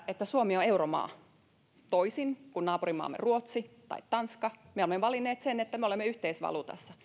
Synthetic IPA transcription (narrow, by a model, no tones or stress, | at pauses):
et̪ːæsuomioeuromɑ̰ː | t̪oisinkunnɑːpurimɑ̰ːmːḛruot̪sit̪ɑ̰it̪t̪ɑnskɑmeolemːeʋɑlinːeːt̪senet̪ːæmeolemːeyht̪eisʋɑ̰lut̪ɑ̰sːɑ